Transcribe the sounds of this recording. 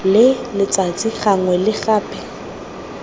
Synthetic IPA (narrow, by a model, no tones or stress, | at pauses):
lɪlɪt͡sʼat͡sʼiχaŋwɛlɪχaːpʰʼɛ